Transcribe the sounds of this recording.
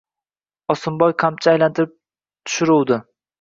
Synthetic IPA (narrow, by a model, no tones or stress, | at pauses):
ɒsɪmbɒjqʰamt͡ʃʰaajlant̪ʰɪɾɪp̚ | t̪ʰʊ̥ʃɪɾuwd̪ɪ